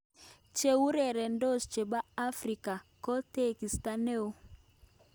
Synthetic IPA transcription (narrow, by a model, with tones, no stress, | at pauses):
t͡ʃe˨u˦ɾɛ˨ɾɛ˨ndo˦st͡ʃe˨ba˦a˦fɾi˨ka˨kɔ˦te˦ki˨sta˦ne˦o˦